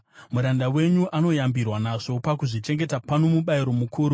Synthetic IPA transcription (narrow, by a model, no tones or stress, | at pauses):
muɾandawe̞ɲuʔano̞jambirwanaʐo̞pakuʐit͡ʃe̞ŋɡe̞tapanomuɓaiɾo̞mukʰuːɾu